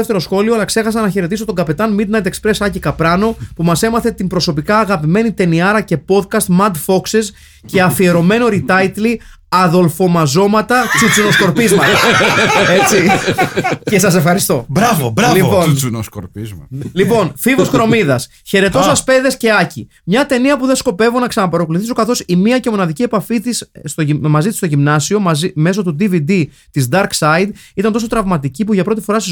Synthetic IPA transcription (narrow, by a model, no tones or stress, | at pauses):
eft̪e̞ɾo̞sxo̞lioɐlɐkse̞xɐsɐnɐçe̞ɾe̞t̪isot̪o̞ŋɡɐpe̞t̪ɐnmid̪nɐjt̪ekspɾe̞sɐcikɐpɾɐno̞pumɐse̞mɐθe̞t̪imbɾo̞so̞pikɐːɣɐpime̞nit̪e̞niɐɾɐce̞po̞t̪kɐst̪mɐd̪fo̞kses | ce̞ɐfie̞ɾo̞me̞no̞ɾit̪ɐjt̪li | ɐðo̞lfo̞mɐzo̞mɐt̪ɐt͡sut͡suno̞sko̞ɾpizmɐt̪set͡si | ce̞sɐse̞fxɐɾist̪o̞bɾɐvobɾlipo̞skoɾpizlipo̞nfivoskɾo̞miðɐs | çe̞ɾe̞t̪o̞sɐspe̞ðe̞sce̞ɐcḭ | mɲɐt̪e̞niɐpuðesko̞pe̞vunɐksɐnɐpɐɾokuluθis̬ukɐθo̞simiɐce̞mo̞nɐðicie̞pɐfit̪ist̪omɐzit̪ist̪o̞ʝimnɐsio̞mɐzime̞so̞t̪ud̪ivid̪i | t̪izd̪ɐɾksɐid̪it̪ɐnt̪o̞so̞t̪ɾɐvmɐt̪icipuʝɐpɾo̞t̪ifo̞ɾɐsɐ